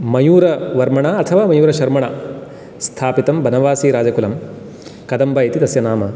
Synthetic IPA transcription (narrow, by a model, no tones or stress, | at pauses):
mɐjuːɾɐʋɐɾmɐɳaɐt̪ʰɐʋaːmɐjuːɾɐʃɐɾmɐɳɐ | st̪ʰaːpit̪ɐmbʱɐnɐʋaːsiːɾaːd͡ʒɐkulɐm | kɐd̪ɐmbʱɐjɐt̪id̪ɐsjɐnaːmɐ